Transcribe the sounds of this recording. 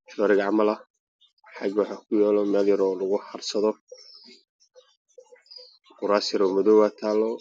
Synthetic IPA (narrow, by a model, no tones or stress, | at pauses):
ʃɔːɾɪɣʕɑmɐlɐ | ħɑɡwɑħɑːkʰʊjaːlɔmɛːljɐɾɔːlɐɣʊħɑrsɐðɔ | qʊɾaːsɪɾɔmʊðɔwaːt̪ʰaːlːɔ